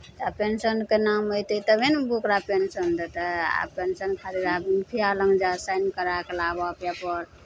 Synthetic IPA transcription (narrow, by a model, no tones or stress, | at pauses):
t̪apensənkenamojt̪et̪əbenbukɾapensənd̪ət̪aa̰pensənkʰaɾiɾabinpʰialəŋɡd͡ʒasajnkəɾakelabapjapɔɾ